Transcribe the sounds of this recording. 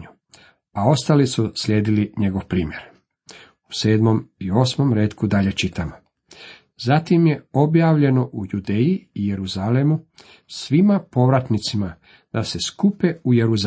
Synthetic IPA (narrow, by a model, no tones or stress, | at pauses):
u | ao̞st̪alisusʎʲe̞ːd̪iliɲe̞ɡo̞ʋpɾiːmjeɾ | u̥se̞ːd̪mo̞mio̞ːsmo̞mɾeːt̪kud̪aʎe̞t͡ʃit̪amo | zat̪imje̞o̞bjaːʋʎe̞no̞ʔujud̪e̞ːjiːje̞ɾuzalemu | sʋimapo̞ʋɾat̪nit̪sima | d̪̥ase̞skupe̞ujeɾuz